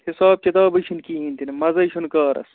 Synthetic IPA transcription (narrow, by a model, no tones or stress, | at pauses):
hisaːb̚t͡ʃɐt̪aːbɐʃʰinkiːɦĩːnt̪inmɐzɐʃʰunkaːɾɐ̰s